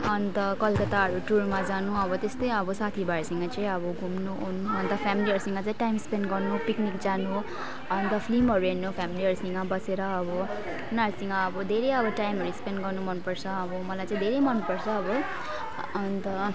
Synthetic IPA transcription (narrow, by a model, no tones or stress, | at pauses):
ʌnt̪ʌkʌlkʌt̪aɦʌɾuʈuɾmad͡zanuʌbʌt̪est̪ʌjʌbʌsat̪ʰibaɾsiŋɡʌt͡saĩʌbʌɡʱumnuunuʌnt̪ʌpʰamiliʌɾusiŋɡʌt͡saĩʈajmspenɖɡʌrnupiknikd͡zanu | ʌnt̪ʌpʰlimʌɾuennːupʰamiliʌɾusiŋɡʌbʌseɾʌːbʌ | nasiŋɡʌːbʌd̪ʱeɾʌjʌbʌʈajmʌɾuspenɖɡʌrnumʌnupʌɾt͡sʰʌːbʌmʌlajt͡saĩd̪ʱeɾejmʌnupʌɾt͡sʰʌːbʌ | ʌnt̪ʌ